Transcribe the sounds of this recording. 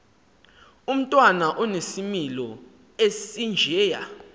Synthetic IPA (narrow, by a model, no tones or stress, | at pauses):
um̩tʼwanaʔɔnesimilɔ | esind͡ʒʱɛːja̰